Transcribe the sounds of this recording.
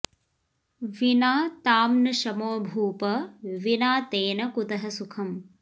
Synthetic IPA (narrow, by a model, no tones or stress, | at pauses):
ʋinaːt̪aːmnɐʃɐmoːbʱuːpɐʋinaːt̪eːnɐkut̪ɐɦɐsukʰɐm